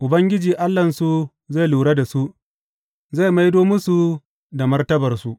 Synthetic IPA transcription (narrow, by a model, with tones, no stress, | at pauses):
ʔʊ˨bɐ˦ŋɡʲɪ˦d͡ʒiː˨ʔa˦lːɐ˨nsu˦ | za˦˨jluː˨ɽa˦da˨su˦ | za˦˨ma˦jdoː˦mʊ˦su˨ | da˨mɐ˦rtɐ˦bɐ˨rsu˦ʔ